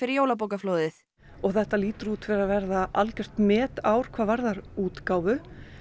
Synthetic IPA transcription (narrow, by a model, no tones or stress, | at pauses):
fɪɾɪɾjoːwlap̬oːwkafloːwðɪθ | ɔɣθɛht̪ːaliːt̪ʏɾuːt̪vɪɾaðvɛɾðaʔalcɛr̥t̪mɛːt̪aːwɾ̥kʰv̥aːvaɾðaɾuːt̪kaːwvʏ